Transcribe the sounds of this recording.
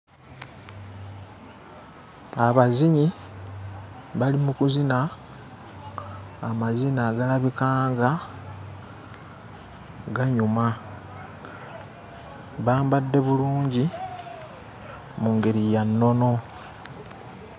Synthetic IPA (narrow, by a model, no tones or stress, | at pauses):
aβaziɲi | βalimukuzina | mazinaɡalaβikaːŋɡa | ɡaɲuma | βaːmbadːe̞βuluːɲɟi | muːŋɡe̞ɾijanːo̞no̞